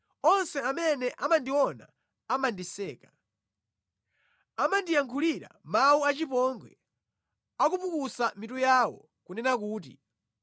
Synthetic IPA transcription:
ɔnsɛamɛnɛʔamandiɔna̰ | amandisɛːka | amandijaŋkʰuliɾa̰mawuat͡ʃipɔŋɡwɛ̰ | akupukusamitujaːwɔ̰ | kunɛnak̬uːt̬ḭ

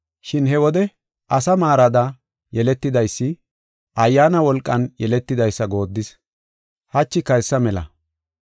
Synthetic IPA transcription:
ʃɪnɦɛwɔd̪ɛ | ʔɐsɐmaːɾɐd̪ɐ | jɛlɛt̪ːɪd̪ɐjsːɪ | ʔɐjːaːnɐwɔlkʼːɐnjɛlɛt̪ːɪd̪ɐjsːɐɡo̞ːd̪ːɪs | hɐt͡ʃːɪkɐjsːɐmɛlɐ̰

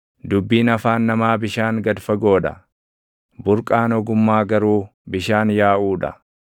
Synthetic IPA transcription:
d̪ʊbːiːnɐfaːnːɐmaːbɪʃaːŋɡɐd̪fɐɡo̞ːᶑɐ̰ | bʊɾkʼaːnɔɡʊmːaːɡɐɾuːbɪʃaːnjaːʔuːᶑɐ̰

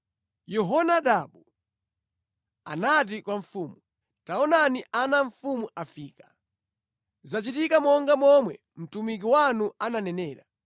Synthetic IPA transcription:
jɔɦɔnaɗaɓu | a̰nat̬ikwaɱfuːmu | taɔnaniʔanaɱ̩fumuʔafiːkḁ | zat͡ʃitikamɔŋɡamɔmwɛ | m̩tumik̬iwanuananɛnɛːɾa

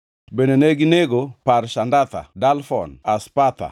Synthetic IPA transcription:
bendeneɡɪneɡoparʃandat̪a̰dalfɔ̰naspat̪a̰

